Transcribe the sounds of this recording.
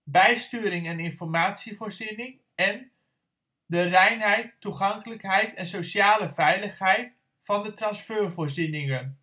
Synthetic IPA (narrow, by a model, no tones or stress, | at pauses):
bɛjstyːɾɪŋɛnɪnfɔrmaːtsivoːrzinɪŋ | ɛn | dərɛjnɦɛjtːuχɑŋkələkɦɛjtʰɛnsowʃaːləvɛjləχɦɛjt | fɑndətrɑnsføːrvoːɹzinɪŋən